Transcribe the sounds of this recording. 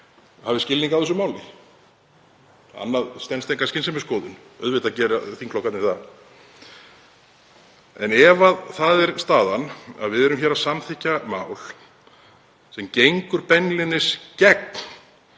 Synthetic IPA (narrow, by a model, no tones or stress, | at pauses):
havɪscɪlniŋkavθɛs̬ʏmaːwlɪ | a̰nːaðst̪ɛnst̪eŋkascɪnsɛmɪskoːðʏn | œðvɪt̪aðcɛːɾaθiŋkʰlɔkat̪nɪθa | ɛnɛvaðθaðɛɾ̥st̪aːðana̰ðvɪðɛɾʏmçɛɾasamθʰɪhcːamaːwl̥ | sɛmcejŋkʏɾpɛnlɪnɪscɛk̚n̥